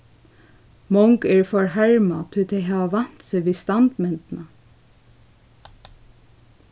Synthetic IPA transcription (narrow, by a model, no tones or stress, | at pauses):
mɔŋkɛɹfɔɹɦaɹmat̪ʰɪt̪ʰɛɦæːʋaʋɑn̥t̪seʋiːst̪ant̪mɛnt̪na